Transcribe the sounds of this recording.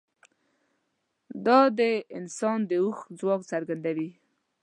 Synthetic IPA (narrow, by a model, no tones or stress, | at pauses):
d̪ɑd̪əɪnsɑnd̪əuxd͡zwɑkt͡saɾɡand̪awi